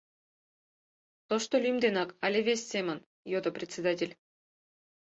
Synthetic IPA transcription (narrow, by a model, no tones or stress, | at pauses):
t̪oʃt̪olʲymd̪enɑkɑlʲevʲesʲːemʲə̆n | jod̪ŏprʲet̪ʲt͡sʲed̪atʲelʲ